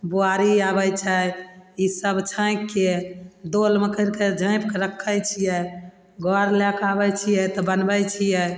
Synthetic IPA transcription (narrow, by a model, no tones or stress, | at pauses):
boaɾiabəjt͡ʃʰəisəbt͡ʃʰə̃ɪ̃kːed̪olmekəiɾked͡ʒʱə̃ɪ̃pkeɾəkʰːəjt͡ʃʰijɛ | ɡɔɾlɛkabɛt͡ʃʰijɛt̪ɔbənbəjt͡ʃʰijɛ